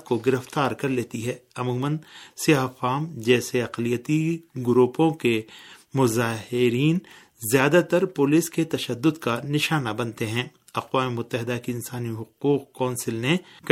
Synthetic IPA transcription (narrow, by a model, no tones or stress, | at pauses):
t̪̚koɡɪɾəft̪aːɾkɐɾleːt̪iɦɛːɐmuːmənsijaːfaːmd͡ʒɛːseɐqlijət̪iɡʊɾuːpõkemʊzaːɦɪɾiːn | zjaːd̪at̪ɐɾpʊːlisket̪ɐʃəd̪ːʊd̪kanɪʃaːnabɐ̃nt̪eɦɛ̃ː | ɐqwaːmemʊt̪ːəɦɪd̪akeɪnsaːniɦʊquːqkɔːnsɪlnek